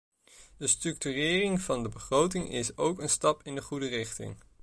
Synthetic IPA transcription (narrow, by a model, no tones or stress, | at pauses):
dəstrɵk̚tyrɪːrɪŋv̥ɑndəbəχrowtɪŋɪsowkənstɑpɪndəχudərɪχtɪ̰ŋ